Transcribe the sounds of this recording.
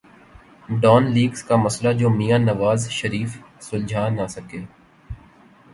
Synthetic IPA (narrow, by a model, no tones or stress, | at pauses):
ɖɔːnliːɡskamɐslad͡ʒoːmijaːnɐʋaːzʃɐɾiːfsʊld͡ʒʱaːnasɐkeː